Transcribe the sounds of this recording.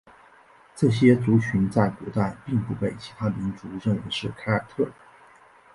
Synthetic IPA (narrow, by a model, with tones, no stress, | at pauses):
ʈ͡ʂɤ˥˩ɕjɛ˥t͡su˧˥t͡ɕʰy˧˥nt͡sa˥˩ɪkɔ˧˥t̪a˥˧ɪpi˥˧ŋpu˥˩pe˥˩ɪt͡ɕʰi̥˧˥t̪ʰa˥mi˧˥nt͡su˧˥ɻə˥˩ŋɻə˧˥ʂɻ̩˥˩kʰa˥ɪa˨˩t̪ʰɤ˥˩